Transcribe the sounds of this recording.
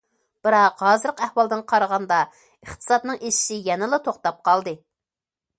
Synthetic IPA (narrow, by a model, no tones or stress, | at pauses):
b̥ɨɾɑqɦɑːzɨɾəqæhwɑlˠd̪ɨnqʰɑɾʁɑnd̪ɑ | əχt̪ʰɨ̥sɑt̪nɨŋeʃɪ̥ʃijɛnɨlˠɨt̪ʰoχt̪ɑp̚qʰɑlˠd̪ɨ